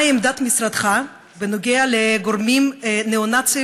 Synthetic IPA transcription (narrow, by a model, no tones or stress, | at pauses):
emd̪at̪misɾad̪χa | venoɡealeɡoɾmimneonat͡si